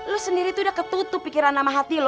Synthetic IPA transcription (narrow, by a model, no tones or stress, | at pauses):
losəndiɾit̪udakət̪ut̪ʊpːikiɾanamaɦat̪il